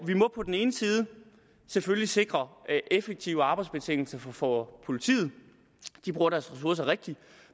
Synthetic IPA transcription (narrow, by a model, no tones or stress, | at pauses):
ʋimɒ̽pʰɒ̽d̥en̩e̝ːnəsiːð̞̩ˠə | seføljise̝ɡ̥ʁɐʔefeɡ̥̚t͡sʰiʊəɑ̈ːb̥ɑ̈ɪdsb̥e̝t͡sʰe̝ŋ̰l̩sɐfɒfɒpʰo̝lit͡sʰḭːð̞̩ˠ | d̥ib̥ʁuːɐɾ̥æɐsʁɛs̬uɐsɐʁeɡ̥̚d̥i